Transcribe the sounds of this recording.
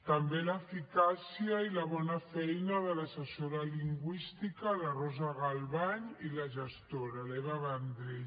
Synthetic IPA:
t̪ambelafikasjailaβɔnafɛjnaðəlasəsoɾaliŋɡwist̪ikalarɔzaɣalβaɲilaʒəst̪oɾalɛβaβand̪ɾe

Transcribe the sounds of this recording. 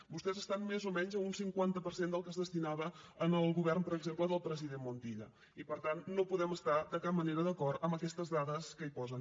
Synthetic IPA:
bust̪ɛzəst̪anmezomɛɲzəunsiŋkwant̪əpəɾsend̪əlˠkəzðəst̪inaβəːnəlˠɣuβɛrmpəɾəɡzempləðəlˠpɾəziðenmunt̪iʎə̰ | ipəɾt̪anːopuðɛməst̪ad̪əkap̚məneɾəðəkɔɾt̪əmbəkɛst̪əzðaðəskəipɔzən

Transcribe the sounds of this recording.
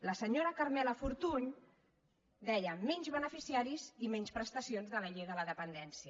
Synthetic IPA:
ləsəɲoɾəkəɾmɛləfuɾt̪uɲ | d̪ɛʎəmɛɲzβənəfisiaɾizimɛɲspɾəst̪əsionzðələʎejðələðəpənd̪ɛnsiə

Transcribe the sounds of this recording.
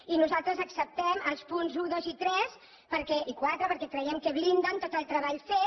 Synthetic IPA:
inuzalˠt̪ɾəzəksəp̚t̪ɛməlˠspunzuðozit̪ɾɛs | pəɾkɛʔikwat̪ɾəpəɾkɛkɾəjɛmkəβlind̪ənt̪ot̪əlˠt̪ɾəβaʎfe

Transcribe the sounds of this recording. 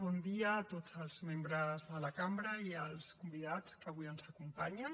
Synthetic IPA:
bɔnd̪iəːt̪od͡zəlˠzmembɾəzðələkambɾəiəlˠskumbiðat͡skəβujənzəkumpaɲən

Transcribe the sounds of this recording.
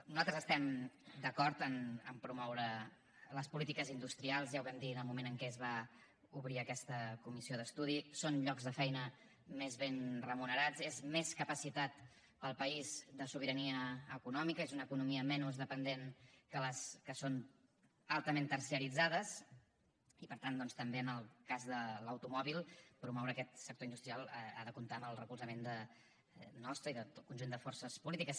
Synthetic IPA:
nuzalˠt̪ɾəzəst̪ɛmd̪əkɔɾt̪ənəmpɾumɔwɾə | ləspulit̪ikəzind̪ust̪ɾialˠzjawβɛmd̪iðəlˠmumenəŋkɛzβa | uβɾiəkɛst̪əkumisioðəst̪uð̞isonʎɔkzðəfɛjnə | mezβenrəmunəɾad͡zezmeskəpəsit̪at̪ | pəlˠpəizd̪əsuβ̞iɾəniəːkunɔmikəezunəkunumiəmɛnuzðəpənd̪enkələskəson | alˠt̪əment̪ərsiəɾid͡zaðəs | ipəɾt̪and̪ɔnst̪əmbeənəlˠkazðələwt̪umɔβilˠpɾumɔwɾəːkɛt̪sək̚t̪oind̪ust̪ɾialˠa̰ðəkunt̪aəməlˠrəkulˠzəmend̪ə | nɔst̪ɾəiðəokunʲʒund̪əfɔɾsəspulit̪ikəs

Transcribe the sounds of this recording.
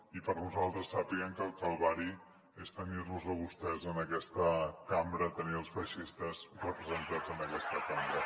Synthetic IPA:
ipəɾnuzalˠt̪ɾəsːəpiəmkəlˠkəlˠβaɾi | est̪əniɾnuzəβust̪ɛzənəkɛst̪əkambɾət̪əniəlˠsfəʃist̪əzrəpɾəzənt̪ad͡zənəkɛst̪əkambɾə

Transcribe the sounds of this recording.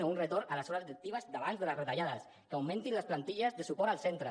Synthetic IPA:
əunrət̪ornaləsɔɾaziɾək̚t̪iβəzd̪aβanzðələsret̪aʎaðəs | kawmẽnt̪inləsplant̪iʎəzðəsupɔɾalˠsent̪ɾə

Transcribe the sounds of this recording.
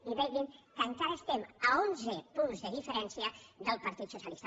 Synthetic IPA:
iβɛɣimkəŋkaɾaest̪eməonzəpunzðəðifəɾɛnsiəd̪əlˠpɐɾt̪it̪susjəɐlist̪a

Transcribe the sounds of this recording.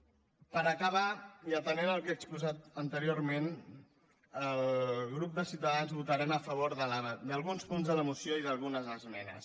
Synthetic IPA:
pəɾəkəβ̞aiəpənenəlˠkekspuzat̪ənt̪əɾioɾmen | əlɣɾup̚d̪əsiwt̪əðanzβut̪əɾɛməfəβoɾðəld̪əlˠɣunspunzðələmusioiðəlˠɣunəzðəzmɛnə̰s

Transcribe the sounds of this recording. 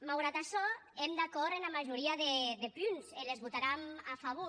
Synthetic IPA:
mawɣɾat̪aʃɔemd̪akɔɾenamaʒuɾiaðeðepynzelezβut̪aɾamafaβo

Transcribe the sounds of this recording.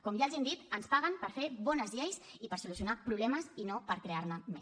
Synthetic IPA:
kɔmjaəlˠʒɛnd̪it̪ənspaɣəmpəɾfeβɔnəzʎejsipəɾsulus̬iunapɾuβlɛməsinopəɾkɾeaɾnəme

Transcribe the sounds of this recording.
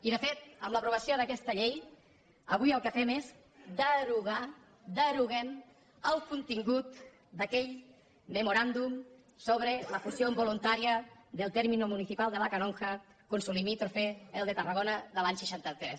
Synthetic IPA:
iðəfet̪̚əmləpɾuβəsioðəkɛst̪əʎej | ə̰β̞ujəlˠkəfɛmez | d̪əɾuɣa | d̪əɾuɣem | əlˠkunt̪iŋɡut̪ | d̪əkɛʎ | məmuɾand̪um | soβ̞ɾeləfusjombolunt̪aɾiəðəlˠt̪ɛɾminomuniθipalˠd̪əlakanoŋxəkunsulimit̪ɾofeelˠd̪ət̪əraɣonəðəlaɲsəʃant̪ət̪ɾɛs

